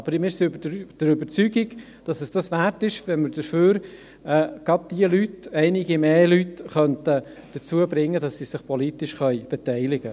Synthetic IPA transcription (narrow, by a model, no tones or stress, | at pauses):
ɑbəɾmɪɾsiøbd̥əɾʏbəɾt͡syːɡɪɡ | d̥ɑsəsd̥ɑsʋæɾtɪʃʋɛnməɾd̥əføːɾ | ɛːɡ̥ɑd̚d̥iəlytɛɪnɪɡimeːlytχœntə | d̥əɾt͡suəbɾɪŋːədɑsːisɪχpʰɔlit̪ɪʃχœʏb̥ɛt̪ɛɪlɪɡ̥ə